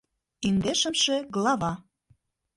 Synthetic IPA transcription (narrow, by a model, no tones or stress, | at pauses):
ind̪eʃə̆mʃĕɣlɑvɑ